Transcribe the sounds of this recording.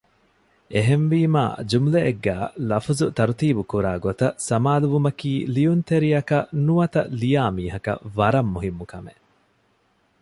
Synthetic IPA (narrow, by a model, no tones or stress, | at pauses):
eɦenʋiːma̰ːd͡ʒumleeɡːæːlɐfuzut̪ɐɾut̪iːbukuɾaːɡot̪ɐsɐmaːluʋumɐkiːlijunt̪eɾijɐkɐnuʋɐt̪ɐlijaːmiːɦɐkɐ̰ʋɐɾɐmːuɦimːukɐme